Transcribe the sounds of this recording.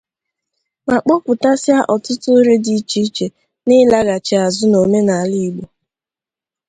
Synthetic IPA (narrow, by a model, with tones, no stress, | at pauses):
ma˨k͡pɔ˦kʷʊ˨ta˦sja˦ʔɔ˨tʊ˦tʊ˦ɾe˦di˨˦t͡ʃi˦t͡ʃe˨ | nɪ˦la˦ɣa˨t͡ʃe˨a˨zʊ˦no˨me˦na˨a˨li˦˨ɡ͡bo˨